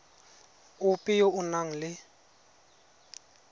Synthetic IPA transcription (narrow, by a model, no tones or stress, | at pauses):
ʊpʼɪjoʔʊnaŋ̩lɪ